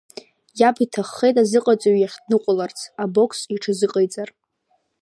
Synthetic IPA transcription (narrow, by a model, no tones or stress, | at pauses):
japʰitʰaχːejtʼazɨqʼat͡sʼaɥjaχʲdnɨqʷʼʊlart͡sʰabo̞kʰsiʈ͡ʂʰazɨqʼejt͡sʼar